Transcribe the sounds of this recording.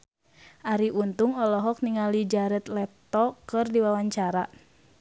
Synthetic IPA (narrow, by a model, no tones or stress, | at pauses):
ʔaɾiʔunt̪uŋɔlɔɦɔk̚niŋalid͡ʒaɾɛt̪lɛt̪ɔkɨrdiwawaɲt͡ʃaɾa